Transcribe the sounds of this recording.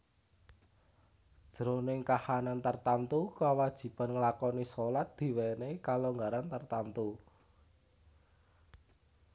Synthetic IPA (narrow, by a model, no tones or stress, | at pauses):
d̥ʒ̥əɾonɪŋkahanant̪ərt̪ant̪ukawad̥ʒ̥i̤panŋəlakɔnisɔlat̪̚d̪̥i̤wɛnekaloŋɡaɾant̪ərt̪ant̪u